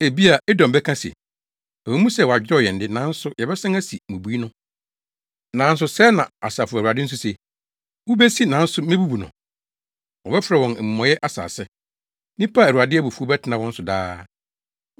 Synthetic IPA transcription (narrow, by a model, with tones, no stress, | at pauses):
e˨bi˦a˨ɛ˦dɔ̃˨m˨bɛ˦kʰã˦si˨ɛ̰˨ | ɛ˨ɛ˨˦mũ˦sɛ˨wɔ˨a˨d͡ʑᶣɔ˦˨jɛ˨n̩˨dɪ˦nã˨˦n̩˦sʊ˦jɛ˨bɛ˦sã˦ŋæ˦si˨mũ˨bu˨˦i˦nʊ̃˦ | nã˨˦n̩˦s̬ʊ˨sɛ˦nã˨a˨saː˨fʊ˨a˨dɪ˦n̩˦s̬ʊ˦se˨ | wʊ˦bɛ˦si˦nã˨˦n̩˦sʊ˦mẽ˦bu˦bu˨nʊ̰̃˨ | wɔ˨bɛ˦fɾɛ˨wɔ̃˨n˨m̩˨mɔ̃˨jɛ˦ʔa˦sa̰ː˨sɛ˦ | nĩ˦pʰa˦˨u˨a˨dɪ˦æ˦bu˨fu˦ɔ˦bɛ˦tʰɪ˨nã˨wɔ̃˦n̩˦sʊ˨da̰ː˦